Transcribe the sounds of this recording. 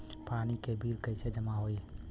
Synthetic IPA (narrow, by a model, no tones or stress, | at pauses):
panikebʱiɾkəɪsed͡ʒəmaɦoi